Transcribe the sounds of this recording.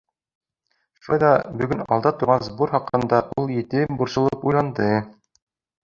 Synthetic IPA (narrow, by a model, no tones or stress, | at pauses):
fɤd̪ɑbɵ̆ɡɵnɒ̰lˠd̪ɑt̪uɾʁɑnzbuɾχɑqɤ̆nd̪ɑʔulˠjɘ̆t̪ɘbuɾsɤ̆lˠɤpujlˠɑnd̪ɤ